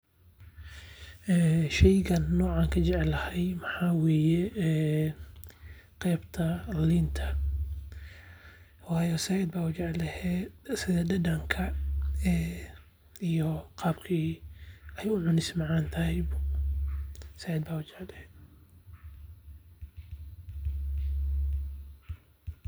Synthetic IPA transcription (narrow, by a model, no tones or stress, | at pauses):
ʔɛːʃɛjɣɐnːɔːʕaːŋkʰɐt͡ʃɛʕɛlɐhɛjmɐħaːweːjɛː | qɛːbt̪ʰɐliːnt̪ʰɐ | wɑːjɔsɐjɛd̪̚baːʊt͡ʃɛʕlɐhɛːsɪðɐdɐdɐŋkʰɐɛ | ijɔqɑːbkʰiː | ɛjʊʕʊnɪsmɑʕaːnt̪ʰɐhɛjbʊ | sajɛd̪baːut͡ʃɛʕlɛhɛ